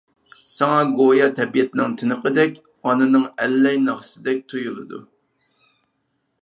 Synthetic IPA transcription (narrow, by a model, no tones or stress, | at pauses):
sɑŋɑɡojɑt̪ʰɛbijɛt̪ɪnɪŋt̪ʰɪnɨqəd̪ɛkʲ | ɑnɨnɨŋɛlːɛjnɑʁsɨd̪ɛk̚ʲt̪ʰujulˠɨd̪ṵ